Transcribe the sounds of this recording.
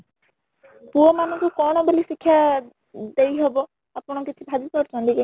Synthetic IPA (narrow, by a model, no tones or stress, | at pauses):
puɔmanɔ̃ŋkukɔɽ̃ɔbelisikʰːja | d̪ejɦɔbɔ | apɔɽ̃ɔkit̪ʰibʱad̪ipɔɾt͡ʃɔnt̪ike